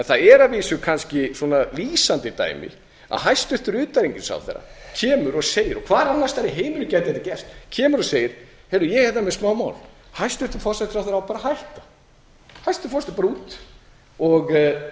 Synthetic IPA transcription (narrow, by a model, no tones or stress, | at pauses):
ɛnθaðɛɾaviːsʏkʰanscɪswɔnaliːsant̪ɪt̪a̰jmɪ̰ | a̰ðɦajst̪ʏht̪ʏɾʏːt̪aɾiɲcɪnsa̰wθḛɾːa̰cʰɛːmʏɾɔɣseːjɪɾɔkʰvaːɾanːast̪aɾɪɦeːjmʏɾʏcɛt̪ɪɛt̪acɛr̥st̪cʰɛːmʏɾɔseːjɪɾ̥ | hɛlʏjɛɣhɛt̪amɛðsmaːwma̰ːwl | hajst̪ʏht̪ʏɾ̥fɔrsɛt̪ɾawθɛɾawpaːɾahajht̪ḁ | hajst̪ʏɾfɔsɛ̥t̪ɪpaɾuːt̪ | ɔɣ